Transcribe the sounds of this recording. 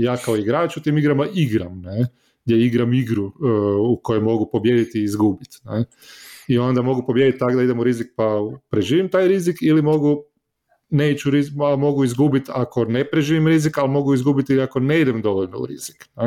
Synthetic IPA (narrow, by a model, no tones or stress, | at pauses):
jaːkaoiɡɾaːt͡ʃut̪iːmiɡɾamaʔiɡɾamne | ɡd̪jeiɡɾamiɡɾuuko̞jomo̞ɡupo̞bje̞d̪it̪iːzɡuːbit̪ne | io̞nd̪amo̞ɡupo̞bjed̪it̪ːakd̪aid̪emuɾizik̚papɾe̞ʒiːʋimt̪aːjɾizikilimo̞ɡu | neːit͡ɕuɾiamo̞ɡuizɡubit̪ako̞ne̞pɾe̞ʒiːʋimɾizikalmo̞ɡuizɡubit̪iliako̞ne̞id̪e̞md̪o̞ʋoʎnoṵɾḭz̥i̥kne